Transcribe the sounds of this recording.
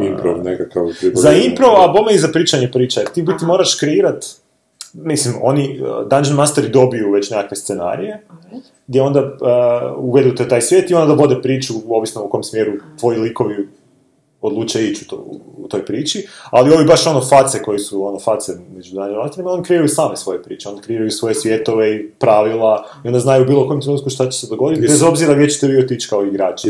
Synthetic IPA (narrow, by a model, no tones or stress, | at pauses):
impɾo̰ʋnekakaʋpɾizaimpɾoʋabomeizapɾiːt͡ʃaɲepɾiːt͡ʃaet̪iːbit̪imo̞ːɾaʃkɾeiːɾat̪ | mislimo̞̰nid̪and͡ʒenmast̪eɾid̪o̞bijuʋe̞t͡ɕnekakʋest̪sena̰ːɾije̞ | ɡ̚d̪jeo̞nd̪a | uʋe̞d̪ut̪et̪aːjsʋjeːt̪io̞nd̪ad̪ao̞d̪epɾiːt͡ʃuo̞ʋisnoukojmsmje̞ɾut̪ʋo̞jiliko̞ʋi | od̪lˠuːt͡ʃait͡ɕut̪o̰ut̪o̞jpɾiːt͡ʃialio̞ʋibaʃo̞nofat̪seko̞jesuo̞nofat̪semed͡ʒunaɲɾait̪elʲimaonkɾeiɾajusaːmesʋo̞jepɾḭːt͡ʃeonkɾeiɾajusʋo̞jesʋʲje̞t̪o̞ʋeipɾaʋilˠaiond̪aznajuubiːlˠoko̞jemt̪ɾenuːt̪kuʃt̪at͡ɕe̥sed̪oɡo̞d̪it̪ibezo̞bziɾaʋjet͡ɕe̥t̪eʋiot̪it͡ɕkaoiɡɾaːt͡ʃi